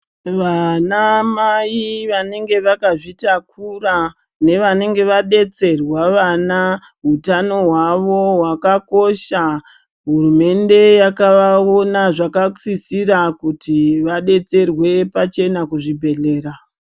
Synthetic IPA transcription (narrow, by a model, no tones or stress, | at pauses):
ʋanamaiʋane̞ŋɡe̞ʋakaʐitakura | ne̞ʋane̞ŋɡe̞ʋaɗe̞t͡se̞rwaʋana | ɦutano̞ɦwaʋo̞wakako̞ʃa | ɦurume̞nde̞jakaao̞naʐakat͡sisirakutiʋaɗe̞t͡se̞rwe̞pat͡ʃe̞nakuʐibʱe̞ɮe̞ːɾa